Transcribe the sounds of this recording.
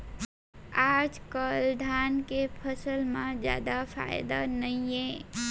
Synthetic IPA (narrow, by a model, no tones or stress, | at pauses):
aːd͡ʒkəld̪ʱaːnkepʰəsəlmãd͡ʒja̰ːd̪afʰa̰ːɪd̪anəiẽ